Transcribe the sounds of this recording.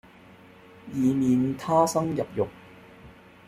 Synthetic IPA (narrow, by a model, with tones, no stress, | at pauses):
jiː˨˧miː˨˧nt̪ʰaː˥sɐ˥ŋjɐ˨p̚jʊ˨˩k̚